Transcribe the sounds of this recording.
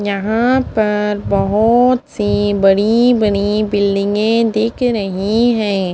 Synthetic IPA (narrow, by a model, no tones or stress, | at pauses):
jɐɦãpɐɾbɐɦʊt̪sibɐɽibɐɽibɪlɖɪ̃ŋɡẽd̪ɪkʰɾɐɦiɦɛ̃ː